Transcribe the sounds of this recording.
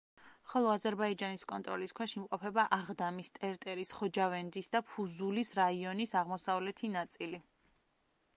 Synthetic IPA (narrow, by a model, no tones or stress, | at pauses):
χɔlˠɔazɛɾbaid͡ʒaniskʼɔnt̪ʼɾɔ̰liskʰwaʃimqʼɔpʰɛbaʔaʁd̪amist̪ʼɛɾt̪ʼɛɾisχɔd͡ʒavɛnd̪isd̪apʰuzulisɾaiɔnisaʁmɔsavlɛt̪ʰinat̪sʼili